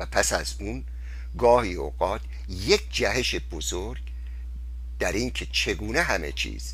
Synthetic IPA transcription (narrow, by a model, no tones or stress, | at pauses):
æpʰæsæz | un | ɡɒːhiːoːɣɒːt̪̚ʰ | jek̚ʰd͡ʒæɦe̞ʃebozoɾɡ | d̪̥æɾiːŋkʰe̞t͡ʃʰe̞ɡuːneɦæme̞̰t͡ʃʰḭːz̥